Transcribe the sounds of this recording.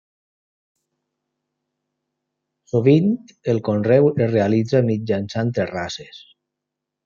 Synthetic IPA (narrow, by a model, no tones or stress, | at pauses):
soβin | elˠkonrɛwezrealid͡zamid͡ʒansant̪erases